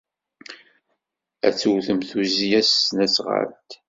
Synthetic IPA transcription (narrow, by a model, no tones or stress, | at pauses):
æ̰t͡sːuwθəmθuzijæsːnæsʁə̰ɾt̪